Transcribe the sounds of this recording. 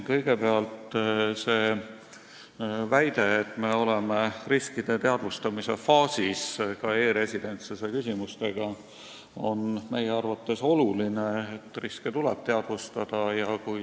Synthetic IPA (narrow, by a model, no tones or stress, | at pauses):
kɤ̞jɡ̥e̞peɑlt̪se̞ː | væjd̪̥e̞ːt̪ːˑme̞o̞lemeriskid̪̥e̞t̪e̞ɑd̪vust̪ɑmise̞fɑːsiskɑe̞ːɾe̞sid̪e̞nt̪sesekysʲimust̪e̞ɡ̥ɑ | o̞nme̞jeɑrvɑt̪ːe̞so̞lulineet̪ːˑrisket̪ulɛ̰b̥̚t̪e̞ɑd̪̥vust̪ɑd̪̥ɑjɑkuj